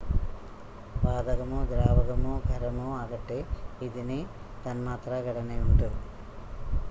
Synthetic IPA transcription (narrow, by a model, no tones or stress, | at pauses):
ʋaːd̪ɐɡɐmud̪ɾaːʋɐɡɐmuɡʱɐɾɐmuaːɡɐʈːiid̪ini | t̪ɐnmaːt̪ɾɐɡʱɐɽɐneuɳʈu